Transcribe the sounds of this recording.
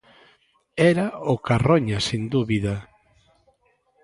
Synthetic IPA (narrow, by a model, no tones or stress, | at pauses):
ɛɾaokaroɲasind̪uβiða